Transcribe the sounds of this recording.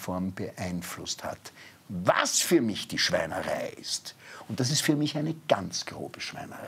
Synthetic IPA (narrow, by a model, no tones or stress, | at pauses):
fɔɐmbəʔaɪnflʊstha̰t | va̰sfyːɐmɪçd̥iːʃv̥a̰ɪnəʁa̰ɪʔɪ̰stʊntd̥as̬ɪstfyːɐmɪçʔæɪnəɡ̥a̰nt͡sɡ̥ʁo̰ːbəʃv̥æ̰ɪnə̰ʁa